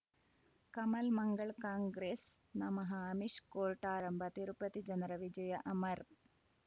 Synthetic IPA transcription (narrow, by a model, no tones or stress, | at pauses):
kɐmɐlmɐŋɡɐɭkaːŋɡɾeːsnɐmɐɦɐɐmiʂkoːɾʈaːɾɐmbʱɐt̪iɾupɐt̪id͡ʒɐnɾɐʋid͡ʒɐjɐʔɐmɐɾ